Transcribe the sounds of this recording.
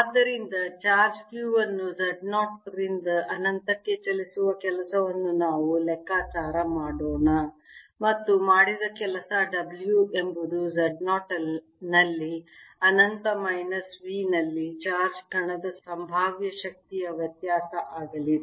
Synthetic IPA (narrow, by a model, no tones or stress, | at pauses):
aːd̪ːɐɾind̪ɐt͡ʃaːɾd͡ʒkjuːʋɐnːuzɐɖnaːʈɾind̪ɐʔɐnɐnt̪ɐkːe̞t͡ʃɐlisuʋɐkɛlɐsɐʋɐnːunaːʋulɛkːaːt͡ʃaːɾɐmaːɽoːɳɐmɐt̪ːumaːɽid̪ɐkɛlɐsɐɖɐbljue̞mbud̪uzɐɖnaːʈɐ | nɐlːiɐnɐnt̪ɐmɐjnɐsʋiːnɐlːit͡ʃaːɾd͡ʒʈʰɐɳɐd̪ɐsɐmbʱaːʋjɐʃɐk̚t̪ijɐʋjɐt̪jaːsɐʔaːɡɐli